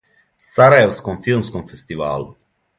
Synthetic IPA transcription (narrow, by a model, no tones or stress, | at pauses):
saɾaevskonfilmskɔnfest̪iva̰l